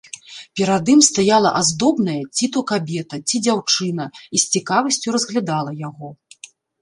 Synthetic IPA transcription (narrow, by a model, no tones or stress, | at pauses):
pʲɛɾad̪ɨmst̪ajalˠɐʔazd̪ɔbnɐjɐt͡sʲit̪ukabʲɛt̪ɐt͡sʲid͡zʲawt͡ʂɨnɐisʲt͡sʲikavɐsʲt͡sʲuɾɐzɣlʲad̪alˠɐjaɣɔ